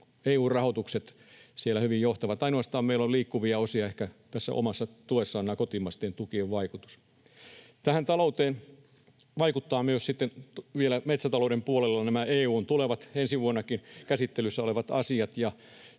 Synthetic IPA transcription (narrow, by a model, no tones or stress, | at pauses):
eːuːrrɑhot̪ukset̪ | sielːˑæhyʋijjoht̪ɑʋɑt̪ɑinoɑst̪ɑːmmeilːoliːkːuʋiɑosiɑehkæt̪æsːæ̰ʔo̰mɑsːɑt̪uesːɑːnːˑɑːkot̪imɑst̪eːnt̪ukieʋʋɑikut̪u̥s | t̪æhænt̪ɑlout̪eːn | ʋɑikut̪ːɑːmyøssit̪ːenʋielæmet̪sæt̪ɑloudempuolelːɑnæmæeːuːnt̪uleʋɑt̪ensiʋuonːɑkinkæsit̪ːelysːæoleʋɑt̪ɑsiɑt̪jɑ